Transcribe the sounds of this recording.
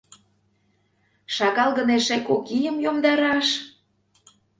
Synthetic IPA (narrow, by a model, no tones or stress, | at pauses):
ʃɑɣɑlˠɣə̆neʃekokijəmjomd̪ɑɾɑʃ